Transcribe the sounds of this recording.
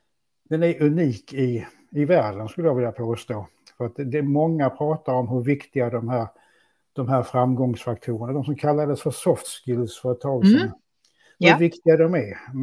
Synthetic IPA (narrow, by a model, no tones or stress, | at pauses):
d̪̥ɛnæɾɵniːkɪ | ɪvæːɾɖənskɵlːəjavɪljapʰoːst̪oː | fœɾat̪̚d̪ɛmɔŋːapʰɾɑːt̪aɾɔmɦɵɾvɪkt̪ɪɡad̪ɔmɦæːɾ | d̪̥ɔmɦæːɾfɾamːɡɔŋsfakt̪ʰuːɾənad̪ɔmsɔmkʰalːad̪əsfœɾsɔft̪skɪlsfœɾt̪ʰɑːlsɔm | hɵɾvɪkt̪ɪɡad̪ɔmæɾ